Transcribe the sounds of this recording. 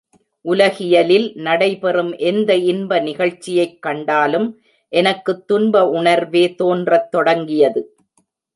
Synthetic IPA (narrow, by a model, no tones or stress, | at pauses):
ʔʊlɐɣɪjɐlɪlnɐɽɐɪpɛrɯmʔɛnd̪ɐɪnbɐnɪɣɐɭt͡ʃːɪjɐɪkːɐɳɖaːlɯm | ʔɛnɐkːɯt̪ːʊnbɐʊɳɐɾʋeːt̪oːndrɐt̪ːɔɽɐŋɡɪjɐðɯ